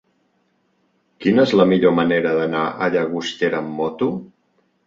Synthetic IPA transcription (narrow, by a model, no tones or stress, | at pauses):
kinəezləmiʎoməneɾəðənaʔəʎəɣust̪eɾəmːɔt̪u